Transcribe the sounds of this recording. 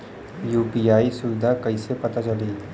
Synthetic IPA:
juːpiaːisʊʋɪd̪ʱakɐisepɐt̪at͡ʃɐliː

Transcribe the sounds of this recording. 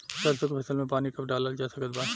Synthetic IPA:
sɐɾsokopʰɐsəlmẽpaːnikɐpɖaːlald͡ʒaːsɐkət̪baː

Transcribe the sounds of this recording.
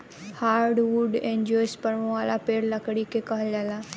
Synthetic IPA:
haːɾɖʋuɖẽɲd͡ʒɔːjspəɽʋõʋalapeːɾləkɽikekəɦəljala

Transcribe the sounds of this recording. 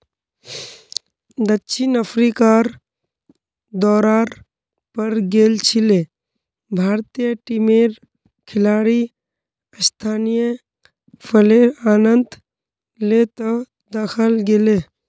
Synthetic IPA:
d̪ətːt͡ʃʰinəpʰɾikaːɾ | d̪ɔːɾaːɾ | pəɾɡeːlt͡ʃʰile | bʱaːɾt̪ijəʈimeːɾ | kʰɪlaːɽi | st̪ʰaːnijə | pʰəleaːnənd̪ | let̪ɔ | d̪əxʰəlɡeleː

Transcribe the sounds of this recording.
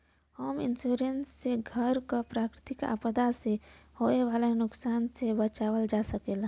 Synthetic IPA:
hoːmɪ̰nsuːɾensːeɡʱəɾkopɾaːkɾɪt̪ɪka̰pəd̪asehoːeʋaːlenʊksaːnsebət͡ʃaːʋəld͡ʒaːsəkeːla

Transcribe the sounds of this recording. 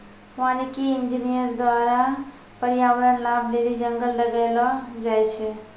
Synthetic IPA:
ʋaːnikiɪnd͡ʒinijəɾd̪waːɾa | pəɾijaːʋəɾənlab̚ɖeɾid͡ʒə̃ŋɡəlːəɡalad͡ʒajt͡ʃʰɛ

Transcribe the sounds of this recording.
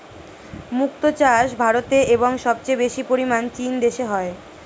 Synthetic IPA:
muk̚t̪ot͡ɕaʃbʱaɾot̪eʔeboŋʃɔb̚t͡ɕejbeʃipoɾimant͡ɕind̪eʃeɦɔe

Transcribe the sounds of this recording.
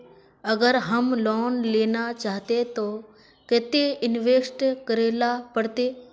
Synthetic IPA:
ɐɡəɾɦəmlɔːnleːnat͡ʃaːɦt̪et̪oː | ket̪eɪnʋeːsʈkəɾeːlapəɽt̪eː

